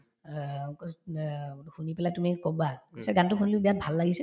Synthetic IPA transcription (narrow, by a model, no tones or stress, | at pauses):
xunipɛlatumikobakɔsɛɡantʊxunilobijat̚bʱalːaɡisɛ